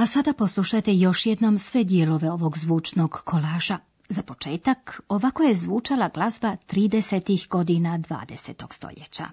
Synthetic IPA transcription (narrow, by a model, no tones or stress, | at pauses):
asad̪apo̞slˠuʃajt̪ejo̞ʃjed̪no̞msʋe̞d̪jelo̞ʋe̞o̞ʋo̞ɡzʋuːt͡ʃno̞ɡkʰo̞laːʒa | zapo̞t͡ʃe̞ːt̪ako̞ʋako̞jezʋuːt͡ʃalaɡlˠazbat̪ɾiːd̪eset̪ixɡo̞d̪inad̪ʋa̰ːd̪e̞se̞t̪o̞ɡ̥st̪o̰ʎjḛt͡ɕa̰